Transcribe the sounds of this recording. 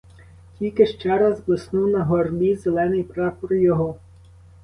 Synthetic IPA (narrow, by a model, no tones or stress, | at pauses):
tʲilʲkɪʃt͡ʃɛɾɐzblˠɪsnuwnɐɦɔrbʲizelˠɛnɪjpɾɑpɔɾjɔɦɔ